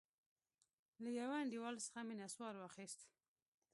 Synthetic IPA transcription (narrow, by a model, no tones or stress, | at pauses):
lajawaɳɖiwɑlsə̥xaminaswɑɾwɑxist̪